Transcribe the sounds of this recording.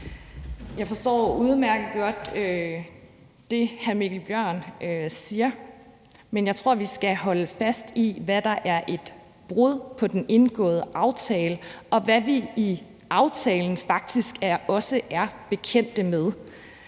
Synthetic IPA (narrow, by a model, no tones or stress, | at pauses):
jɑ̈ɪfɒ̽sd̥ɒ̰ːuð̞ˠmæɐɡ̥əð̩ˠɡ̥ɒ̽d̥ø | d̥e̝hæmiɡ̥l̩b̥jɶɐ̰nøsiːɐ | menjɑ̈ɪt͡sʰʁo̝ɐ̰ʋisɡ̥æɦɒ̽ləfæsd̥iʋæd̥ɑ̈ʔæɐʔe̝d̥ | b̥ʁɔð̰ˠpʰɒ̽d̥ene̝nɡ̥ɔ̰̽ːðˠəʔɑ̈ʊt͡sʰɛːləʔɒ̽ʋæʋiː | ɑ̈ʊt͡sʰɛːln̩fɑ̈ɡ̥̚d̥isɡ̥æɐɒ̽səʔæɐb̥e̝kʰen̰d̥əmeð̞ˠ